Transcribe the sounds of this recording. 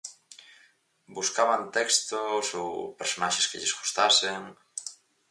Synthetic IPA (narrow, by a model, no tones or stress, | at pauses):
buskaβant̪ɛkst̪oso̰wpeɾsonaʃeskeʎesɣust̪aseŋ